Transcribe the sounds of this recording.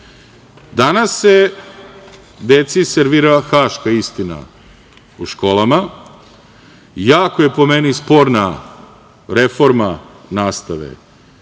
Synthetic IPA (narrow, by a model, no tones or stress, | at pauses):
d̪anase̞ | d̪et̪siseɾʋiɾaxaːʃkaist̪ina̰ | uʃko̞ːlˠama | jaːkoje̞po̞menispoːɾna | ɾe̞fo̞ɾmanaːst̪aʋḛ